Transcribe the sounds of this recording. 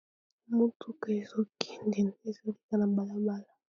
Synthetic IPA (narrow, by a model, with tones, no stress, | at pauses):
mu˦tʰu˦ka˨e˨zo˦kʰi̥˦ndi˨n˨e˨zo˦li˦ka˦na˨ba˨la˦ba˦la˨